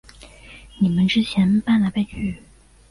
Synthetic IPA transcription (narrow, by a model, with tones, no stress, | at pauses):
ni˨˩mə˦nʈ͡ʂɻ̩˥t͡ɕʰjɛ˧˥npa˥˩nla˧˥ɪpe˥˧nt͡ɕy˥˩